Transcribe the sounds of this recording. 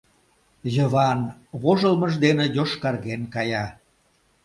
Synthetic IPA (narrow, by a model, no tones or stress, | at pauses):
jə̆βɑnβoʒəlməʒd̪enĕjoʃkɑrɣenkɑjɑ